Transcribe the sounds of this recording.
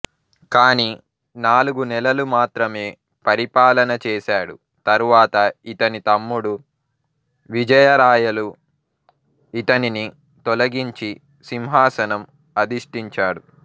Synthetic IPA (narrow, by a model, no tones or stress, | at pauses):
kaːniː | naːluɡunɛlɐlumaːt̪ɾɐme̞ː | pɐɾipaːlɐnɐt͡ʃɛːsaːɽu | t̪ɐɾuʋaːt̪ɐit̪ɐnit̪ɐmːuɽu | ʋid͡ʒɐjɐɾaːjɐlu | it̪ɐnini | t̪ɔlɐɡiɲt͡ʃi | simɦaːsɐnɐm | ɐd̪iʂʈiɲt͡ʃaːɽu